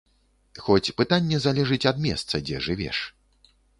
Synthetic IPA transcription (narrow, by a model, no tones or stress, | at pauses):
xɔt͡sʲpɨt̪anʲːɛzalʲɛʐɨt͡sʲɐd̪mʲɛst̪sɐd͡zʲɛ̰ʐɨvʲɛ̰ʂ